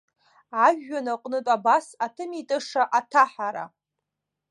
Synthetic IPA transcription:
ʕaʒːanaqʼnɨtʼabasatʰɨmitʼɨʂaʔatʰaħaɾa̰

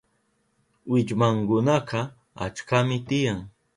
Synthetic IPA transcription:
wɪt͡ʃmaŋkʊnɑqɑ | a̰t͡ʃkamɪt̪ɪjaŋ

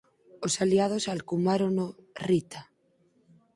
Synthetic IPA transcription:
osaliað̞osalkumaɾonorit̪a

